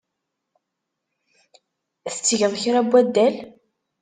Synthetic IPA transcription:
θə̥t͡sːəʝəðˤçɾæbːæd̪ːæl

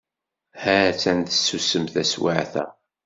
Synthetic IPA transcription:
hæt͡sːænt̪əsusəmθæswaʕθæ̰

